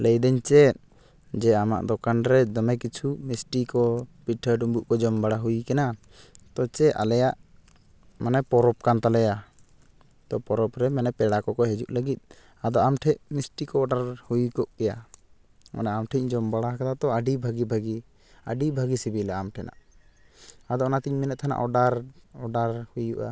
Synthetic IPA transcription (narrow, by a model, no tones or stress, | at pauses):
lɛjd̪ɛɲt͡ʃɛ | d͡ʒɛama̰ʔd̪ɔkanɾɛd̪ɔmɛkit͡ʃʰumisʈikɔpiʈʰːəɖumbuʔkɔd͡ʒɔmbaɽaɦujkɛna | t̪ɔt͡ʃɛʔa̰lɛjaʔ | manɛpɔɾɔp̚kant̪alɛja | t̪ɔpɔɾɔpɾɛmanɛpɛɽakɔkɔɦɛd͡ʒuʔləɡit̪̚ˀ | ad̪ɔamʈʰɛʔmisʈikɔːɖaɾhujkɔʔkɛja | ma̰naamʈʰɛc̚d͡ʒɔmbaɽaɦkat̪at̪ɔaɖibʱaɡibʱaɡi | a̰ɖibʱaɡisibilaamʈʰɛnʔa̰ʔ | ad̪ɔɔnat̪iɲminɛʔ̪̚t̪ʰana̰ʔɔɖaɾɔɖaɾhujuʔa̰